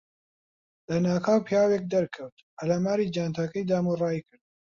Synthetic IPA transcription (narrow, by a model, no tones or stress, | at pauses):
lɐnaːkʰaːwpʰjaːweːk̚d̪ɐɾkʰɐwt̪hɐlamaːɾiːd͡ʒaːnt̪ʰakɐjd̪aːmurˤɑːikɨɾd̪̚